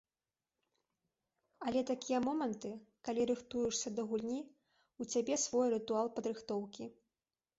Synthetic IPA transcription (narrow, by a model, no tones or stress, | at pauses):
ɐlʲɛt̪akʲijɐmɔmɐnt̪ɨkalʲiɾɨxt̪ujuʂsʲɐd̪ɐɣulʲnʲi | ut͡sʲabʲɛsvɔjɾɨt̪ualˠpɐd̪ɾɨxt̪ɔwkʲi